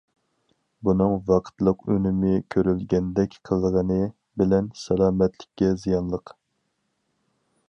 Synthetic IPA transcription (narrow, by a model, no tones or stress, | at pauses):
bunɨŋvɑqʰə̥t̪lˠəqønɪmɪkʲʰøɾylɡʲɛnd̪ɛkʲqʰəlˠəʁənɨ | bɪlɛnsɛlˠɑːmɛt̪lɪkʲːɛzijɑnlˠəq